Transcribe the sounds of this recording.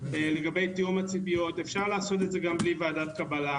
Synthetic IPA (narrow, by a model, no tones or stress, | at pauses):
le̞ɡabe̞jt̪ijumat͡sipijo̞t̪e̞fʃaʁlaːso̞t̪edze̞ɡamblivaːdatkabala